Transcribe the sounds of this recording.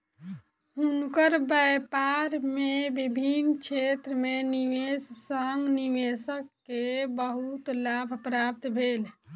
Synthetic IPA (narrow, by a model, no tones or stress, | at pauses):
unkəɾbəjpaɾmebibʱinkt͡ʃʰet̪ɾəmeniʋessəŋɡniʋesəkːebəɦut̪labʱpɾap̚t̪bʱel